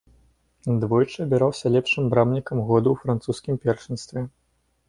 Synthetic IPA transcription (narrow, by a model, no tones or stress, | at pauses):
d̪vɔjt͡ʂɨɐbʲɛɾawsʲɐlʲɛpʂɨmbɾabnʲikɐmɣɔd̪uwfɾant̪suskʲimpʲɛrʂɨnst̪vʲɛ